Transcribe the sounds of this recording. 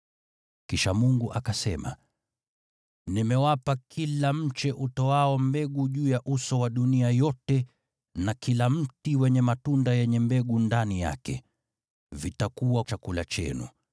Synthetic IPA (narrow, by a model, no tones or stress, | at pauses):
kiʃamuŋɡuʔakasɛma̰ | nimɛwapakʰilam̩t͡ʃɛʔutɔaɔmbɛɠuʄuːjaʔusɔwaɗuniajɔtɛ | nakilam̩tiwɛɲɛmatundajɛɲɛmbɛɠundanija̰kɛ̰ | vitakuwat͡ʃakulat͡ʃɛ̰nṵ